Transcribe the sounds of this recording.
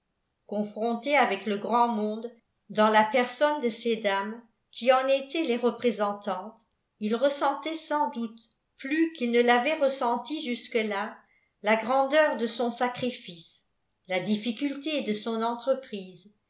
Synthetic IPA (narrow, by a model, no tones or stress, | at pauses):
kɔ̃fχɔ̃t̪eavɛkləɡʁɑ̃mɔ̃d̪ | d̪ɑ̃lapɛʁsɔnd̪əsed̪am | kʲʰiɑ̃net̪ɛleʁəpχezɑ̃t̪ɑ̃t̪ | ilʁəsɑ̃t̪ɛsɑ̃d̪ut̪ | plykilnəlavɛʁəsɑ̃t̪iʒyskəla | laɡʁɑ̃d̪œːʁd̪əsɔ̃sakχifis | lad̪ifikʲylt̪ed̪əsɔ̃nɑ̃t̪χəpχiːz